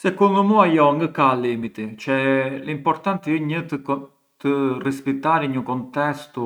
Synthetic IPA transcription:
sɛkuɾməmuajɔŋɡəkalimit̪it͡ʃɛləimpɔɾt̪ant̪iəɲət̪ | t̪ərispit̪aɾiɲəkɔnt̪ɛst̪u

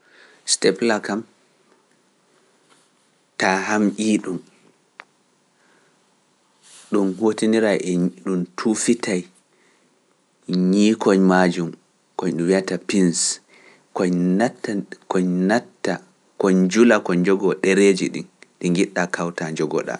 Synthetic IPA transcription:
stɛplakam | taɦamʔiːɗum | ɗunhotiniɾaʔɛɗuntʰufitʰaj | ɲikɔɲmad͡ʒum | kɔɲɗumwiatapins | kɔtkɔɲnatːa | kɔɲd͡ʒulakɔɲd͡ʒɔɡɔɗeɾed͡ʒiɗḭnɗiŋɡiɗːakʰawtad͡ʒɔɡɔ̰ɗa̰

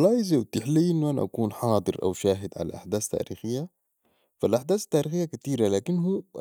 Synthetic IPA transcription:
lˤːɑːjiziwt̪ːɪħliːʔɪnːuʔana̰ʔa̰kuːnħɑːd̪ˤɨɾʔa̰wʃaːɦɪd̪ʕa̰la̰ʔa̰ħd̪aːst̪ːa̰ːɾḭːxɪjːa | falʔaħd̪aːsḁt̪ːaːɾiːxɪjːakat̪iːɾalaːkinːɦu

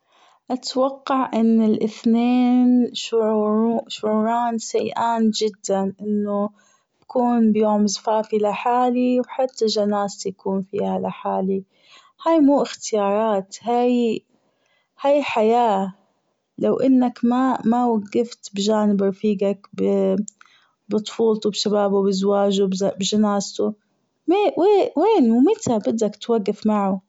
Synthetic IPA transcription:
ʔat̪wɑqːɑʕʔɪnːɪlʔɪθneːnʃʊʕʃʊʕuːɾˤɑːnsajʔaːnd͡ʒɪd̪ːanʔɪnːo | b̥akuːnbjoːmzfaːfilaħaːliwħat̪ːaʒanaːsjakuːnfiːhalaħaːli | hajmuːʔɪxt̪ɪjɑːɾˤɑːt̪haːj | hajħajaː | lawʔɪnːakmamawaɡːɪft̪bʒaːnɪbɾˤfiːɡakbɪ | bɨt̪ˤfuːlt̪ubʃabaːbubɪzwaːʒubbʒanaːzt̪u | mɪweːweːnwmɪt̪abɪd̪ːakt̪waɡːafmaʕu

